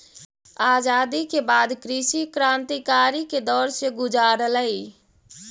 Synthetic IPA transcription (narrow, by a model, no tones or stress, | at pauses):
aːd͡ʒad̪ikebad̪kɾisikɾãnt̪ikaɾiked̪ɔːɾseɡud͡ʒaɾələi